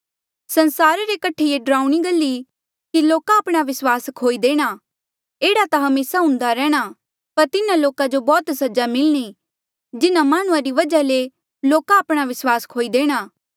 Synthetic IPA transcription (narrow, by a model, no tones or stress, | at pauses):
sɐnsaːɾaɾekɐʈʰeeɖɾaːuɽ̃iɡəlːi | kiloːkaːpɽ̃aʋɪswaːskʰoːid̪eːɽ̃a | eːɽat̪aɦɐmeːsaɦʊ̃nd̪aɾɛːɽ̃a | pɐɾt̪ɪnãloːkad͡ʒobɔːt̪sɐd͡ʒamɪlñi | d͡ʒɪnamaːɽ̃ʊ̃ãɾiʋɐd͡ʒale | loːkaːpɽ̃aʋɪswaːskʰoːid̪eːɽ̃aː